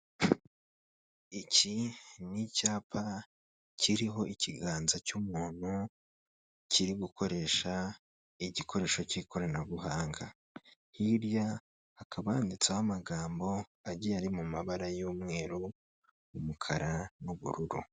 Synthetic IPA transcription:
icinicaːpʰa | ciɾiɦo̞ʔiciɡaːnzacumuːn̥hu | ciɾiɡukʰo̞ɾe̞ʃa | iɟikʰo̞ɾe̞ːʃo̞cikʰo̞ɾanaβuhaːŋɡa | hiɾjaː | kʰaβaːndit͡sahamaɡaːmbo̞ | aɟiaɾimumaβaɾajoːmŋe̞ːɾu | umukʰaɾanuβṵɾuɾṵ

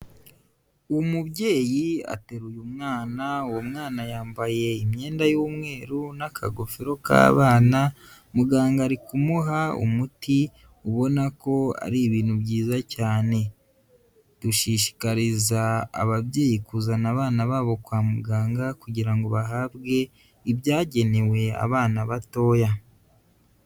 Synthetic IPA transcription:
umuβɟe̞ːjia̰te̞ɾujumŋaːnawomŋaːnajaːmbaje̞imɲe̞ːndajoːmŋe̞ːɾunakʰa̰ɡo̞feɾo̞ka̰ːβaːna | muɡaːŋɡaɾikumuɦaṵmuti | uβo̞nako̞a̰ɾiβiːnhubɟiːzacaːne̞ | d̥uʃiʃi̥kaɾiza̰ːβaβje̞ːjikuzanaβaːnaβaːβo̞kwaːmuɡaːŋɡakuɟiɾaŋɡo̞βaɦabɡe̞ | ibjaːɟe̞ne̞we̞a̰βaːnaβato̞ːja

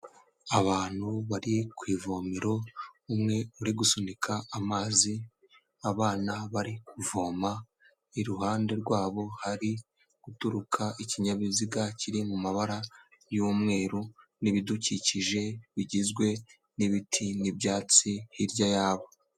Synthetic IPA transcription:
aβaːn̥huβaɾikwiːvoːmiɾo̞umŋe̞uɾiɡusonikʰaːmaːzi | aβaːnaβaɾikuvoːma | iɾuɦaːnde̞ɾɡwaːβo̞haɾi | ɡ̥utuɾukʰaʔiciɲaβiziɡaciɾimumaβaɾa | juːmŋe̞ːɾuniβiduciciʒe̞βiɟizɡwe̞ | niβitʰinibjaːt͡sihiɾɟajaːβo

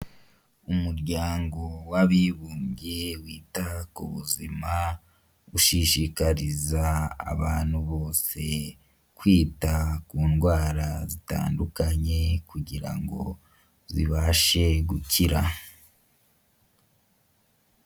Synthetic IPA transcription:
umuɾɟaːŋɡo̞waβiβuːmɡewiːtakṵβṵzima | uʃiʃikaɾiza̰ːβaːnhuβo̞ːse̞ | kwiːtakuːnɡwaːɾazita̰ːndukaɲe̞kuɟiɾa̰ŋɡo̞̰ | ziβaʃe̞ɡuciɾa

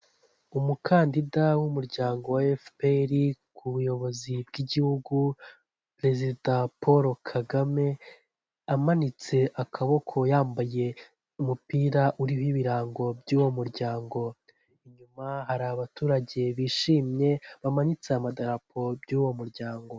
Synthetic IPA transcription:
umukʰaːndidawumuɾɟaːŋɡo̞waefpeɾikʰuβujo̞βo̞zib̚ɡiɟihuɡu | pɾe̞zidapoɾo̞kʰaɡame̞ | amanit͡se̞ʔakʰaβo̞kʰo̞jaːmbaje̞ | umupiːɾaʔuɾihiβiɾaːŋɡo̞bɟuːwo̞muɾɟaːŋɡo̞ | iɲumahaɾaβatuːɾaɟe̞βiːʃiːmɲe̞βamaɲit͡seamadaɾapʰo̞bɟuːwo̞muɾɟaːŋɡo̞

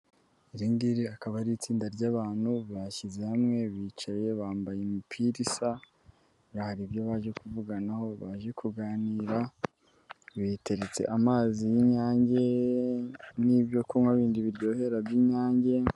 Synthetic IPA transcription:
iɾindiɾiakaβaɾit͡siːndaɾɟaːβaːn̥huβaçizehamŋe̞βiːt͡ʃaje̞βaːmbajemipʰiɾisa | ɾahaɾibjoβaːʒe̞kuvuɡanaho̞βaʒe̞kʰuɡaːniːɾa | βite̞ɾet͡se̞̰ʔamaːzijiɲaːɲɟe̞ | niβjo̞kumŋaβiːndiβiɾɟo̞ːhe̞ɾabjiɲaːɲɟe̞

